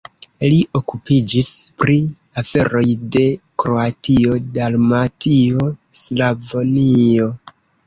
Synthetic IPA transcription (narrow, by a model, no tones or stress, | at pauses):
liʔo̞kupid͡ʒispɾi | afe̞ɾo̞jde̞kɾo̞atio̞dalmatʰio̞slavonio̞